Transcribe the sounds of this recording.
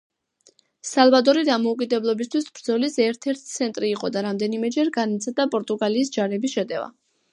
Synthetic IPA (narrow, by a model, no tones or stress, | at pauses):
salˠvad̪ɔɾid̪amɔukʼid̪ɛblˠɔbist̪ʰwisbɾd̪zɔlisɛɾt̪ʰɛɾt̪ʰi̥t̪sʰɛnt̪ʼɾiːqʼɔd̪aɾamd̪ɛnimɛd͡ʒɛɾɡanat̪sʰad̪apʼɔɾt̪ʼuɡaliːsd͡ʒaɾɛbisʃɛd̪ɛva̰